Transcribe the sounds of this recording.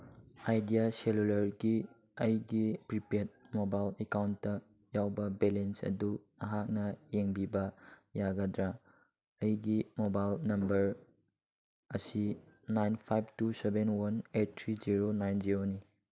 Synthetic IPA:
ajdijaselulɐɾɡi | ɐjɡipɾipiet̚mobajlekawntːɐ | jawbɐbelensɐ̰du | ɐɦak̚nɐjeŋbibɐjaɡɐdɾa | ɐjɡimobajlnɐmbɐɾ | ɐsinajnpʰajb̚ʰtusebenwɐnet̚tʰːɾiziɾonajnd͡ʒiɾoni

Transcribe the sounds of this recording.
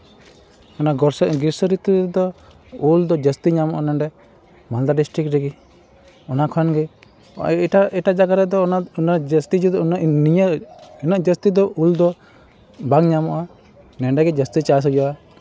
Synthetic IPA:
ɔnaɡɔɾsɛʔɡiɾsɔɾit̪ud̪ɔ | uld̪ɔd͡ʒəst̪iɲamɔʔanɛɳɖɛ | mald̪aɖisʈɾikɾɛɡi | ɔnakʰɔnɡɛ | ʈaʔɛʈad͡ʒaɡaɾɛd̪ɔnaɔnad͡ʒəst̪id͡ʒud̪ɔnʔniɲəɛnəʔd͡ʒəst̪id̪ɔʔuld̪ɔ | baŋɲamɔʔa | nɛɳɖɛɡɛd͡ʒəst̪it͡ʃas̬ɔd͡ʒɔʔa

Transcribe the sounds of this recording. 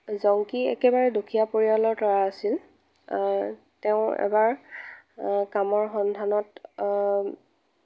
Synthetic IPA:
zɔŋkiɛ̰kɛbaɹɛdukʰijapoɹialɔɹtɔɹaːsil | tɛʊ̃ɛ̰baɹ | kamɔɹxɔndʱanɔt

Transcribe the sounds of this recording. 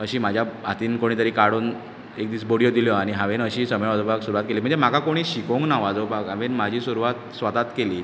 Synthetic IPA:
əɕiːm̤ad͡ʑʱjaat̪iːnkoɽ̃iːt̪əɾikaɽuːn | ek̚d̪iːsboɽijod̪iljɔaɽ̃iɦãʋenəɕiːsəmjʋad͡zobaksuɾuʋat̪kelim̤əɳd͡zem̤akakoɽ̃iːɕikõŋknaʋad͡zobakaʋenm̤ad͡ʑʱiːsuɾuʋat̪sʋat̪at̪keliː

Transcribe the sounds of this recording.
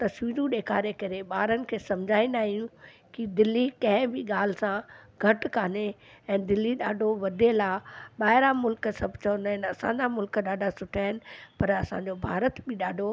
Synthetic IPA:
t̪ɐsʋiːɾũɗeːkʰaːɾekɐɾeɓaːɾənɪ̆kʰeːsɐ̃md͡ʑʱaːĩn̆d̪aːɦijũ | kid̪ɪlːikɐ̃ɦɪ̃biɠaːl̤ɪsãɡʱɐʈkaːneɛ̃ːd̪ɪlːiɗaːɖʱoʋɐd̪ʱelaːɓaːɦɪɾamʊlksɐbʱt͡ɕɐ̃nd̪aːɦɪnɐsãːɲd͡ʑamʊlkɗaːɖʱasʊʈʰaːɦɪnɪ̆pɐɾɐsã̰d͡ʑobʱaːɾət̪bɪɗaːɖʱo

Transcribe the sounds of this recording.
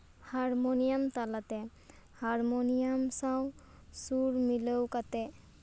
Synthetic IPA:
haɹmonijamtalatɛ | haɹmonijamsaw | suɹmiləwkatɛ

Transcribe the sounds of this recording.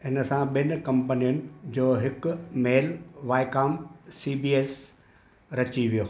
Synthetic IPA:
ɦɪnəsãɓɪn̆kɐ̃mpənijənɪ̆d͡ʑoːɦɪkʊmeːlʋaːɪkaːmsiːbiːeːs | ɾɐt͡ɕiʋijoː

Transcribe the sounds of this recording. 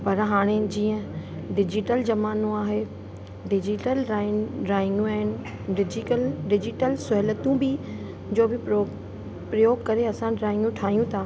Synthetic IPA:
pɐɾɦaːɽ̃ed͡ʑiːə̃ | ɖɪd͡ʑɪʈəld͡ʑɐmaːnũaːɦe | ɖɪd͡ʑɪʈəlɾaːɖɾaːɪ̃ŋɡũaːɦɪnɪ̆ | ɖɪd͡ʑikəlɖɪd͡ʑɪʈəlsʊɦɪlət̪ũbɪ | d͡ʑoːbʱɪo | pɾɐjoːɡkɐɾeɐsãɖɾaːɪ̃ŋɡũʈʰaːɦijũt̪ʰaː

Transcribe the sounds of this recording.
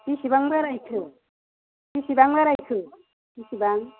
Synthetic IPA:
tisibaŋbaɾajkʰɯ | tisibaŋbaɾajkʰɯ | tisibaŋ

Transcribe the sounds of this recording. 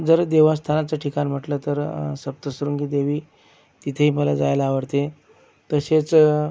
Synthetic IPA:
d͡zəɾd̪eʋast̪ʰanat͡saʈʰikanim̤əʈlət̪əɾsəp̚t̪əsɾuːŋkiːd̪eʋiː | t̪it̪ʰeɦiːməlad͡za̰jlaːʋəɾt̪e | t̪əɕet͡s

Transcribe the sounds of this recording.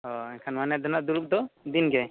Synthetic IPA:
ɔɛkʰanmanɛd̪ɔnad̪uɾuk̚d̪ɔd̪inɡɛ

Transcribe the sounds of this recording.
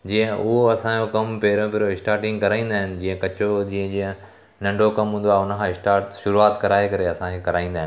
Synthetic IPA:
d͡ʑiːə̃ʊɦoɐsãːd͡ʑokɐmpeːɾõpeːɾoɪsʈaːɾʈɪ̃ŋɡkɐɾaːĩːnd̪aːɦɪnɪ̆d͡ʑĩːə̃kɐt͡ɕod͡ʑiːə̃d͡ʑiːə̃ | nɐ̃ɳɖʱokɐmɦũːnd̪aːʊnəkʰãːɪsʈaːɾʈʃʊɾuaːt̪kɐɾaːekɐɾeɐsãkʰekɐɾaːĩːn̆d̪aːɦɪ̃nɪ

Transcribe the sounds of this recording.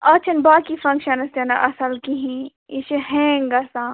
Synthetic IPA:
ɐt͡ʃʰɐnbaːkifɐ̃ŋkʃɐnɐst̪ɐnɐʔɐsɐlkiɦĩ | iʃiɦɛ̃ŋɡɐsãː

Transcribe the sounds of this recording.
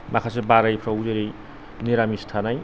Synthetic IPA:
makʰasebaɾʌjpʰrʌud͡zeɾej | niɾamist̪ʰanaj

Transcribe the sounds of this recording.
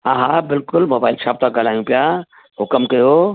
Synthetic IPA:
ãɦãbɪlkʊlmobailt͡ʃʰaːp̚t̪aɡəlajũpja | ɦʊkəmkəjo

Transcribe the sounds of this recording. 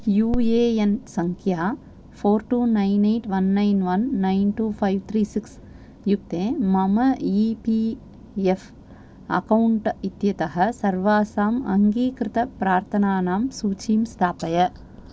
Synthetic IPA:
juːeːensɐŋkʰjaː | foːɾʈuːnɐɪneːʈʋɐnːɐɪnʋɐnːɐɪnʈuːfʰɐjʋt̪ʰɾiːsiks | juk̚t̪ẽːmɐmɐipi | ef | ɐ̰kɐwɳʈit̪jɐt̪ɐɦɐsɐɾʋaːsaːmɐ̰ŋɡiːkɾɪt̪ɐpɾaːɾt̪ʰɐnaːnaːmsuːt͡ʃiːmst̪ʰaːpɐjɐ

